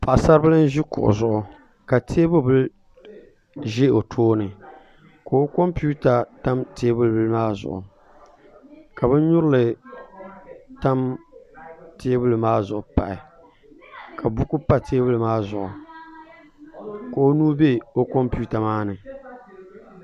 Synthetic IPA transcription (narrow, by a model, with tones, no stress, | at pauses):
pa˨ʔsa˦ɾbɨ˦lɨ˦n˦ʒi˦kʊ̰˨ʔʊ̰˨zʊ˨ʔʊ˨ | ka˨tʰe˦bʊ˦bɨ˦l | ʒe˦o˨tʰoː˦nɨ˨ | ko˨o˦ko˦mpu˦ta˨ta˦mtʰeː˦bʊ˦lbɨ˦lmaː˦zʊ̰˨ʔʊ̰˨ | ka˨bɨ˦ɲʊ˦ɾɨ˦lɨ˨ | ta˦m | te˦bʊ˦lɨ˨maː˦zʊ˨ʔʊ˨pa̰˨ʔɪ̰˨ | kʰa˨bʊ˦ku˦pa˦tʰeː˦bʊ˦lɨ˨maː˦zʊ˨ʔʊ̰˨ | ko˨o˦nuː˦be˦o˦ko˦mpu˦ta˨maː˦nɨ˨